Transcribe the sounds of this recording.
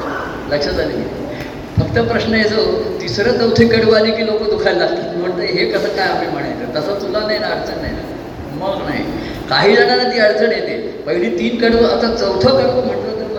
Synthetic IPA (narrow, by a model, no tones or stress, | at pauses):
ləkʂəd͡z̪alḭnḛ | fəkt̪əpɾəɕnəjet͡sət̪isɾət͡səwt̪ʰekəɽʋanikiːlokəd̪ukʰajlːat̪im̤əɳt̪əɦekəsəːkajam̤im̤əɽ̃ajt̪ət̪əsət̪ulanajnaəɽt͡səɳːa̰jna̰ | məɡnaɦḭ | kaɦiːləɽanat̪iːəɽt͡sʰəɳjet̪e | pəɡniːt̪iːnkəɽʋəət̪at͡səwt̪ʰəkəɽm̤əɳʈ̪ləːt̪əɾ